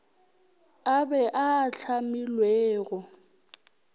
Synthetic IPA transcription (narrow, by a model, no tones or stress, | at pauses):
abɛʔaːɬʰamɪlweːɣɔ